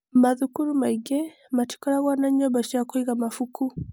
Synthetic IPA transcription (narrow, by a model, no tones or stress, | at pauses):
maðukuɾumaiɡɛ | mati̥kɔɾaɣwanaɲɔbaʃakuiɣamafuku